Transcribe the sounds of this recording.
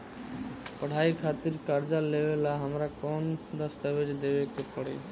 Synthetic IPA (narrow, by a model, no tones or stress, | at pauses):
pəɽ̤ajkʰat̪iɾkaɾd͡ʒalebelaɦamɾakɔnd̪ɔst̪abed͡ʒd̪ebekepɔɽḛ